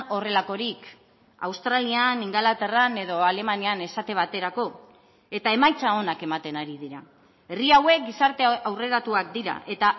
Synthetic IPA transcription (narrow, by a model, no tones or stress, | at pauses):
o̞re̞lako̞ɾik | a̰wst̪ɾalianiŋɡalat̪e̞rane̞ð̞o̞ale̞maniane̞sat̪e̞β̞at̪e̞ɾako̞ | e̞t̪ae̞majt͡sao̞nake̞mat̪e̞naɾiðiɾa | e̞riawe̞k̚ɡisaɾt̪e̞awre̞ɾat̪uak̚d̪iɾa̰ʔe̞t̪a